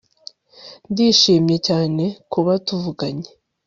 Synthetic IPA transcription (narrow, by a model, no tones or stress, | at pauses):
ndiːʃiːmje̞caːne̞kuβatuvuɡaɲe